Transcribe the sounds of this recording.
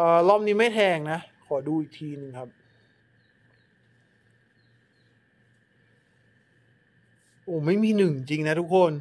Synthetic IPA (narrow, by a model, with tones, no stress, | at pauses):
ʔɤː˨˩lɔː˥˩m̚niː˦˥ma˥˩jt̪ʰɛː˧ŋna˦˥ʔkʰɔː˩˦duː˧ʔiː˨˩k̚t̪ʰiː˧nɯ˨˧ŋkʰa˦˥p̚ | ʔoː˨˩˦ma˥˩jmiː˧nɯ˨˩ŋi˧ŋt͡ɕi˧ŋna˦˥t̪ʰu˦˥kʰːo˧n